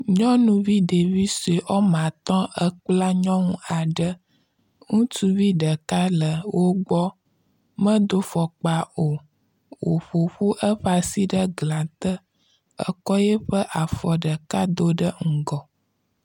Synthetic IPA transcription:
ɲɔ̃˦nũ˦vi˦ɖe˨vi˦so˨e˨ʔɔ˦mã˨t̪ɔ̃˦ə˦k͡pla˦ɲɔ̃˦ŋũ˦a˨ɖə˦ | ŋũ˦tu˦vi˦ɖə˨ka˦lə˨wo˦ɡ͡bɔ˦ | mə̃˦d̪o˦fɔ˨k͡pa˨o˨ | wo˨ɸo˨ɸu˦ʔə˦ɸa˨si˦ɖə˦ɡlã˨t̪ə˦ | ə̰˦kɔ˦je˦ɸə˦ʔa˨fɔ˨ɖə˨ka˦d̪o˦ɖə˦ŋ̩˦ɡɔ˨

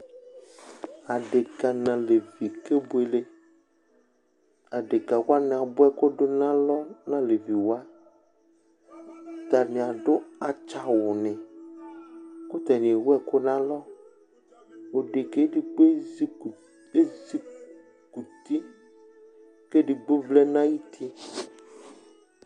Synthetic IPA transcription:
a˨ɖe˨ka˨nã˨le˨vi˨ke˦bo˦e˨le˦ | a˨ɖe˨ka˨wo˦a˦nẽ˨a˨bo˦ɛ˦ko˦ɖo˦nã˦lɔ˦nã˦le˨vi˨wo˦a˦˨ | t̪a˨nĩ˨a˨ɖo˦a˨t͡ʃa˨wo˨nɛ̃˨ | ko˦t̪a˨nĩ˨e˨wo˦ɛ˦ko˦nã˦lɔ˦ | wo˨ɖe˨ke˦ɖi˨ɡ͡be˦˨ | e˦zi˦ | ku˨t̪i˦ | ke˦ɖi˨ɡ͡be˦vle˦nã˦ji˦t̪ʰi˦

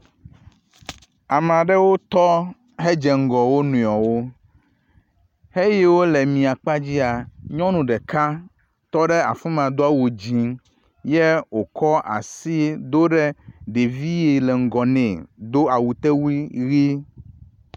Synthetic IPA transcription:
a˨m˨ã˨ɖɛ˦wo˦t̪ɔ˦ | ɦe˦d͡ʒɛ˨ŋ̩˦˨ɡɔ˨wo˦nũ˨ɔ˨wo˦ | he˦jɛ˦wo˦lɛ˨mĩ˨a˨k͡pa˦d͡ʑi˦a˨ɲɔ̃˦nũ˨ɖɛ˨ka˦ | t̪ɔ˦ɖɛ˦a˨fĩ˦m̃˨a˨d̪o˦a˨wo˨d͡ʑi˦ | jɛ˦wo˨kɔ˦ʔa̰˨si˦d̪o˦ɖɛ˦ɖe˨vi˦je˨lɛ˨ŋ̩˨ɡɔ˨nẽ˨d̪o˦a˨wu˨t̪e˦wi˦ɣi˦

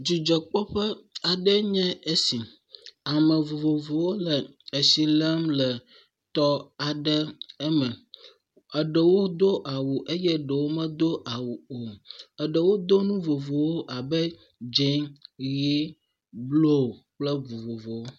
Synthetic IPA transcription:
d͡ʒi˨d͡ʒɛ˨k͡pɔ˦ɸɛ˦a˨ɖɛ˦ɲɛ̃˦e˦si˨ | a˨mɛ̃˨vo˨vo˨vo˨wo˦lɛ˨e˨si˨lɛ˦mlɛ˨ | t̪ɔ˦a˨ɖɛ˦ɛ˦mɛ̃˨ | ə˨ɖə˨wo˦d̪o˦ʔa˨wu˨ʔe˦jɛ˦ɖə˨wo˦mɛ̃˦d̪o˦ʔa˨wu˨o˨ə˨ɖə˨wo˦d̪o˦nũ˦vo˨vo˨wo˦ʔa˨bɛ˦ | d͡ʒe˦ŋji˦ | blo˦˨ | k͡plɛ˦vo˨vo˨vo˨wo˦

